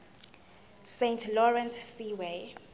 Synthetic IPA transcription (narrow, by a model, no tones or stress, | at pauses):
sẽntʰlɔɹɛ̃nsːiwe